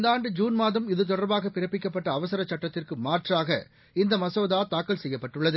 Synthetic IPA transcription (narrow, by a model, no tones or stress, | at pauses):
nd̪aːɳɖɯd͡ʒuːnmaːðɐmɪðɯt̪̬ɔɽɐɾbaːɣɐpɪɾɐpːɪkːɐpːɐʈːɐːʋɐsɐɾɐt͡ʃːɐʈːɐt̪ːɪrkɯmaːrʈraːɣɐ | ɪnd̪ɐmɐsoːðaːt̪aːkːɐlsɛjːɐpːɐʈːɯɭːɐðɯ